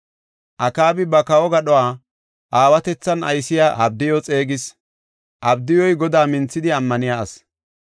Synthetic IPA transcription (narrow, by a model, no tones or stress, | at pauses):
ʔɐkaːbɪbɐkɐwɔɡɐɗɔwaː | ʔaːwɐt̪ɛt͡sːɐnɐ̰jsɪjaːʔɐb̚d̪ɪjɔt͡sʼe̞ːɡɪs | ʔɐbd̪ɪjɔjɡɔd̪aːmɪnt͡sːɪd̪ɪɐmːɐnɪjaɐs